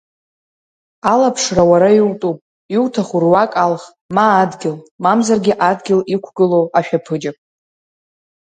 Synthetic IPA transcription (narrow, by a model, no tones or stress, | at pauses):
alapʰʂrawaɾajiwtʼupʼ | iwtʰaχurwakʼalχ | maːdɡʲɪlmamzarɡʲɪʔadɡʲɪlikʷʰɡɨloaʃᶣapʰɨd͡ʒapʼ